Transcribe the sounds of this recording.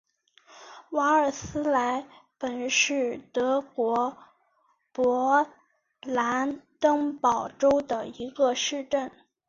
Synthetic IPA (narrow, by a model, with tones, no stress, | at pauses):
wa˧˥ə˞˨˩sɹ̩˥la˧˥ɪpə˨˩nʂɻ̩˥˩t̪ɤ˧˥kwɔ˧˥ | pwɔ˧˥ | la˧˥nt̪ɤ˥ŋpɑ˨˩ʊʈ͡ʂo˥ʊd̪ə˨i˧˥ɡə˧ʂɻ̩˥˧ʈ͡ʂə˥˩n